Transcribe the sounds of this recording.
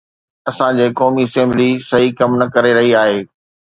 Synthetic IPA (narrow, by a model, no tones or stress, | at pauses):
ɐsãd͡ʑeːkɔːmiɐsɛ̃ːmblisɐɦikɐmnɐkɐɾeɾɐɦiaːɦeː